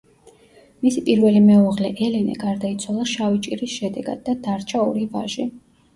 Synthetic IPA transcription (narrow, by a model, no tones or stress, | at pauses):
misipʼiɾvɛlimɛɔʁlɛʔɛlɛnɛ̰ɡaɾd̪ait̪sʰwalˠaʃavit͡ʃʼiɾisʃɛd̪ɛɡa̰d̪̚ːad̪aɾt͡ʃʰaɔɾivaʒi